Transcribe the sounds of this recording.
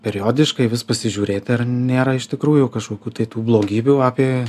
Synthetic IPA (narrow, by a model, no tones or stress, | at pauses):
pʲɛɾʲɪjoːd̪ʲɪʃkɐɪʋʲɪspɐsʲɪʒʲuːɾʲeːt̪ʲɪɐrnʲeːɾɐɪʃt̪ʲɪkɾuːjʊkɐʃkoːkʲuːt̪ɐɪt̪uːblˠoːɡʲiːbʲuːaːpʲeː